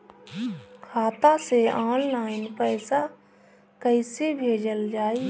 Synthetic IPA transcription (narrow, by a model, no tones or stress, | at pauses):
kʰaːt̪aseaːnlaːɪnpəɪsa | kəɪsebʱeːd͡ʒəld͡ʒaːi